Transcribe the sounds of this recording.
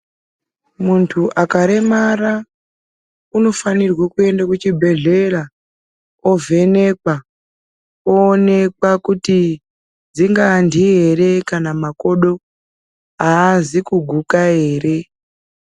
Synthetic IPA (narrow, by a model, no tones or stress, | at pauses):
muntʰuʔakaɾe̞mara | uno̞fanirwakue̞ndakut͡ʃibʱe̞ɮe̞ra | o̞vʱe̞ne̞kwa | oːne̞kwakuti | d͡ziŋɡandie̞re̞kanamako̞ɗo̞ | aːzikuɡʱukaɦe̞ːre̞